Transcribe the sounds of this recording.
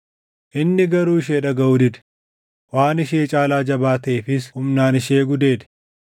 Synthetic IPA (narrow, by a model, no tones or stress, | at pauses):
ʔɪnːɪɡɐɾuːɪʃ̬eːᶑɐɡɐud̪ɪᶑ̪ɛ̥ | waːnɪʃeːt͡ʃʼaːlaːd͡ʒɐbaːt̪ɐʔeːfɪshʊmnaːnɪʃeːɡʊd̪e̞ːd̪ɛ̥